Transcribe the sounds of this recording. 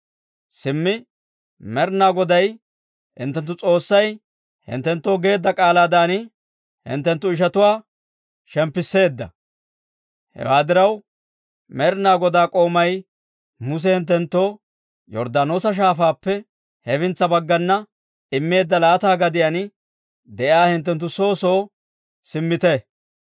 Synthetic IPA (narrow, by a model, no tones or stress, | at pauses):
sɪmːɪ | mɛɾnaːɡɔd̪ɐj | hɪ̰nt̪ːɛnt̪ːʊt͡sʼo̞ːsːɐj | hɪ̰nt̪ːɛnt̪ːo̞ːɡe̞ːd̪ːɐkʼaːlaːd̪aːn | hɪ̰nt̪ːɛnt̪ːʊɪʃ̬ɐt̪ʊwaː | ʃɛmpːɪsːe̞ːd̪ːɐ̰ | hɛ̰waːd̪ɪɾɐw | mɛɾɪnaːɡɔd̪aːkʼo̞ːmɐj | mʊs̬ɛhɪnt̪̬ːɛnt̪ːo̞ː | jɔ̰ɾd̪aːno̞ːsɐʃ̬aːfaːpːɛ | hɛfɪnt͡sːɐbɐɡːɐnːɐ | ɪmːe̞ːd̪ːɐlaːt̪aːɡɐd̪ɪjɐnɪ | d̪ɛʔaːhɪnt̪̬ːɛnt̪̬ːʊso̞ːso̞ː | sɪmːɪt̪ɛ